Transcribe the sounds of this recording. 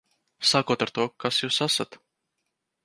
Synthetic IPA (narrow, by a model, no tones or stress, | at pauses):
saːkuɔt̪aɾt̪uɔkasjuːsasat̪